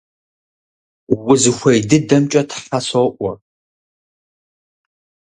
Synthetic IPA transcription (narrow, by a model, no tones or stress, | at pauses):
wʊzɨxʷɐjdɨdɐmt͡ʃʼɐtʰħasɐʔʷɔ̰